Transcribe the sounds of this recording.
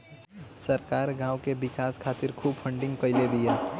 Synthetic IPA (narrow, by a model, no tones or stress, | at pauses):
sɐɾkaːɾɡãːwkebɪkaːskʰaːt̪ɪɾkʰuːbfʰə̃ɳɖɪ̃ŋɡkəɪlebʱijaː